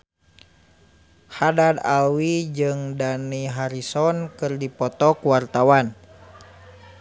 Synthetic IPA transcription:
hadad̪awid͡ʒɨŋdaniɦaɾisɔnkɨrdipɔt̪ɔkuwart̪awan

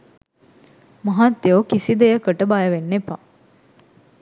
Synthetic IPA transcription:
mɐɦat̪jokisid̪ejəkəʈəbajəʋenːepa

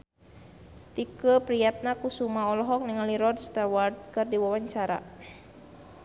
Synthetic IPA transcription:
t̪ikəpɾijat̪̚nakusumaɔlɔɦɔk̚niŋaliɾɔd̚st̪awart̪̚kɨrdiwawaɲt͡ʃaɾa̰

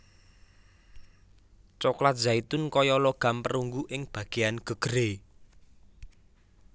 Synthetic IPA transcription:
t͡ʃɔklat̪̚z̥ait̪ʊnkɔjɔloɡ̥a̤mpəɾuŋɡuʔɪŋb̥ä̤ɡ̥eanɡ̥ə̤ɡ̥əɾe

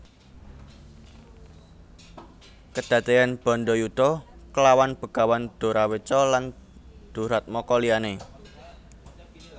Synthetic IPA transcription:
kəd̥ä̤t̪ejanb̥ɔ̤nɖɔjut̪ɔkəlawanb̥ə̤ɡ̥awand̪̥o̤ɾawet͡ʃɔland̪̥o̤ɾat̪̚mɔkɔliane

